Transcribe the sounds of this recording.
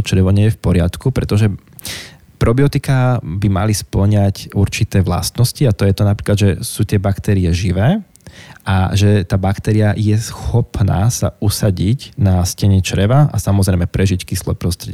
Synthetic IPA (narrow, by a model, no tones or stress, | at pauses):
t͡ʃɾɛʋɔɲɪɛjɛfpɔɾɪat̪kupɾɛt̪ɔʒɛ | pɾɔbiɔt̪ikabima̰lispl̩ɲacuɾt͡ʃit̪ɛːʋla̰st̪nɔsciat̪ɔjɛt̪ɔnapɾiːklad̪ʒɛsuːt̪ɪɛbakt̪ɛɾiɛʒiʋɛː | ʔa̰ʒɛt̪aːbakt̪ɛɾiajɛsxɔpna̰ːsa̰usaɟicnascɛɲɛt͡ʃɾɛʋaʔa̰samɔzɾɛɪmɛpɾɛʒickislɔɛpɾɔst̪ɾɛɟ